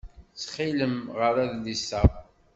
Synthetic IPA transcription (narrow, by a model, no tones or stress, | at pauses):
t͡sːχiləmʁəɾæðlisə